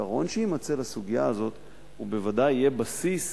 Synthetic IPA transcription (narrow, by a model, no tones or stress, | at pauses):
aʁo̞nʃehimat͡selasuɡija̰ːzo̞t̪ | ube̞vadajijebasis